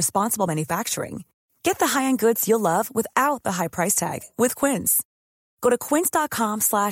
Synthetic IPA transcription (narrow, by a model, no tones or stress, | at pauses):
ɨspɑ̃nsəbl̩ˠmæ̃njɨfæk̚t͡ʃə̰˞ɪ̰̃ŋ | ɡ̥ɛt̪̚ðəɦaɪɨ̃nɡʊdz̥jəlʌvwəθaʊt̪̚ðəɦaɪpʰɹ̥aɪstʰæ̰ɡ̥wʔɪð̥kʰw̥ɪ̃nz̥ | ɡ̥oʊɾɨkʰw̥ɪ̃nsd̥ɑt̚kʰɑ̃mslæ